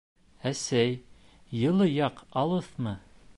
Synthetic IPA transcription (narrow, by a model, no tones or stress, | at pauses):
æsæj | jɤ̆lˠɤjɑqɑlˠɤθmɤ